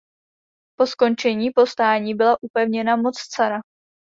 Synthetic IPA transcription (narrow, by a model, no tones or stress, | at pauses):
po̞sko̞nt͡ʃɛɲiːpo̞st̪aːɲiːbɪlaʔupɛvɲɛnamo̞t͡st͡saɾa